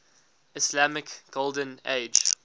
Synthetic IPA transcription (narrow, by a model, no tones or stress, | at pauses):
ɪslamɪkɡ̥olˠdə̃nḛɪd͡ʒ